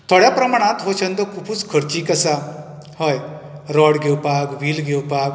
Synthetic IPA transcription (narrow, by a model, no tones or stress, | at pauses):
t̪ʰɔɽjapɾəmaɽ̃ãt̪ɦot͡ʃʰənd̪ɔkupʰut͡skʰəɾt͡ɕikəsa | həjɾɔɽɡʱewpakʋilɡʱewpak